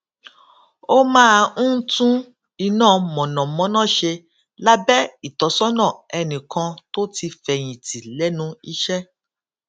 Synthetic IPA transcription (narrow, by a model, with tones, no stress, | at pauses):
o˦mãː˦˧˦tũ˦ | i˧nãː˦˨mɔ̃˨nɔ̃˨mɔ̃˨˦nãː˦˨ʃe˧ | la˦bɛ˦i˦˨tɔ˨˦sɔ˦nã˦˨ɛ˧nĩ˨kʰã˧to˦ti˧fɛ˧j̃ĩ˨ti˨lɛ˦nũ˧i˦ʃɛ˦